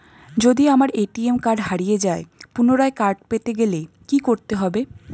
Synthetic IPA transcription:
d͡ʑod̪iamaɾeʈiemkaɾɖɦaɽijed͡ʑaepunoɾaekaɾɖ̚pet̪eɡele | kikoɾt̪eɦɔbe

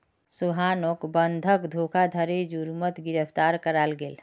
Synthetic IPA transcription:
suɦanoːkbənd̪ʱəkd̪ʱokʰad̪ʱəɾed͡ʒuɾmət̪ɡɪɾəpʰt̪aːɾkəɾalɡeːl

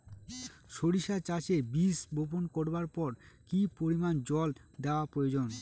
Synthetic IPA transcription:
ʃoɾiʃat͡ɕat͡ɕebisbʱop̬onkoɾbaɾpɔɾkipoɾimand͡ʑɔld̪eoapɾojod͡ʑon

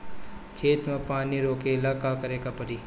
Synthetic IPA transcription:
kʰeːt̪mẽpaːniɾoːkelaːkaːkəɾeːkapəɾiː

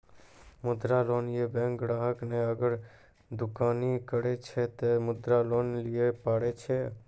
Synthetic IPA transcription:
mʊd̪ɾaloːnjebɛ̃ŋkɾaːɦəkneəɡəɾ | d̪ʊkaːnikəɾet͡ʃʰet̪emʊd̪ɾaloːnlijepaːɽet͡ʃʰe

